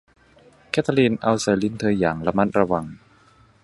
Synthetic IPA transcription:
kʰɛ˦˥˩t̪ʰa˧liː˧nʔa˧wsa˨˩li˧˥nt̪ʰɤː˧jaː˨˩ŋɾa˧ma˥˩t̪̚ɾa˧wa˧ŋ

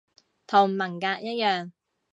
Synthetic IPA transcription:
t̪ʰo˨˩wmːɐ˨˩ŋkaː˧k̚jɐ˥t̚jœː˨˩ŋ

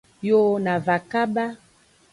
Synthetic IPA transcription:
jo˦na˨va˨ka˦ba˦

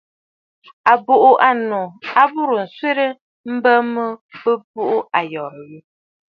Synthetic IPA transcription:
a˨bo˨ʔu˨ʔa˨no˨a˦bu˦ɾə˨n̩˨swe˦ɾə˦ | m̩˦bə˦mə˦bə˦bu˦ʔu˦a˨jɔ˨ɾə˨ji˦

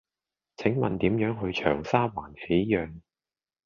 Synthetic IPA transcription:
t͡sʰɪ˨˥ŋmɐ̰˨nt̪iː˨˥mjœː˨˥ŋɦɵ˧ɥt͡ʃʰœː˨˩ŋsaː˥waː˨˩nkʰe˨˥jjœː˨˧ŋ

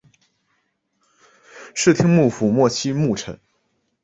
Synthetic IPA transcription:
ʂɻ̩˥˩t̪ʰi˥ŋmu˥˩fu˨˩mwɔ˥˩t͡ɕʰi˥mu˥˩ʈ͡ʂʰə̰˨˥˦n

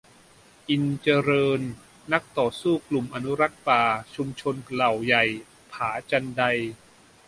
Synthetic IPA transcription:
ʔi˧nt͡ɕa˧ɾɤː˧nː | a˦˥k̚t̪ɔː˨˩suː˥˩klu˨˩mʔa˧nu˦˥ɾa˦˥k̚paː˨˩t͡ɕʰu˧mt͡ɕʰo˧nla˨˩wja˨˩j | pʰaː˩˦t͡ɕa˧nda˧j

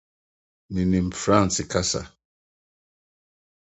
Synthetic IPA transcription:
ni˨ni˨m̩˨fɾã˦˨nsɪ˨ka˦sa̰˨

